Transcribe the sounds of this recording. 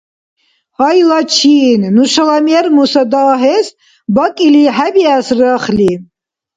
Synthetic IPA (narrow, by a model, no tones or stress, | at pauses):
hɑjlat͡ʃʰiːnnuʃalamiɛrmusad̪aːɦɛs | bakʼiliħæbiasrəχli